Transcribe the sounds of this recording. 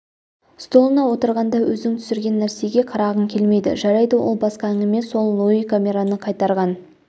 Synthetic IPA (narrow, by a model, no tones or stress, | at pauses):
st̪o̞lˠənɑwo̞t̪əɾʁɑnd̪ɑwʔɵznɪŋt̪ʰʏ̥sɪɾɡʲe̞nːæɾse̞ɡʲe̞qʰɑɾɑʁəŋkʲʰe̞lme̞jd̪ɪ̰ʒɑɾɑjd̪əwolˠbɑsqɑæŋɡʲɪme̞so̞lˠːoikʰamʲe̞ɾanəqʰɑjt̪ɑɾʁɑn